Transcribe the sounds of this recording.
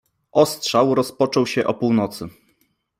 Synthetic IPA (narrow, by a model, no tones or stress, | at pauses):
ʔɔstʂawɾɔspɔt͡ʂɔwɕɛʔɔpuwnɔt̪sɘ